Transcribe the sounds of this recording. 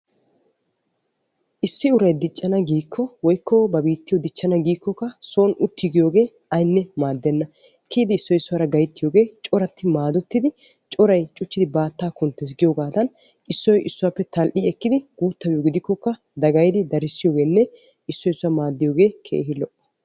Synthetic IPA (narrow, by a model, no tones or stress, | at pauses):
ʔɪsːɪʊɾɐjd̪ɪt͡ʃʼːɐnɐɡiːkʰːɔwɔjkːɔbɐbiːt̪ːɪjɔd̪ɪt͡ʃʼːɐnɐɡiːkːɔkːɐso̞ːnʊt̪ːɪɡɪjo̞ːɡe̞ː | ɐjnːɛmaːd̪ːɛnːɐ | kːiːd̪ɪːsːɔjɪsːʊwaɾɐɡɐjt̪ːɪjo̞ːɡe̞ːt͡ʃʼɔɾɐt̪ːɪmaːd̪ɔt̪ːɪd̪ɪ | t͡ʃʼɔɾɐjt͡ʃʼʊt͡ʃːɪd̪ɪbaːt̪ːaːkʊnt̪ːɛs̬ɡɪjoːɡaːd̪ɐn | ʔɪsːɔjʔɪsːʊwaːpːɛt̪ɐlʔiɛkːɪd̪ɪɡ̥uːt̪ːɐbjoːɡɪd̪ɪkːɔkːɐ | d̪ɐɡɐjd̪ɪd̪ɐɾɪsːɪjoːɡe̞ːnːɛ | ɪsːɔjɪsːʊwamaːd̪ːɪjo̞ːɡe̞ːkʰḛːɦɪlɔʔːɔ̥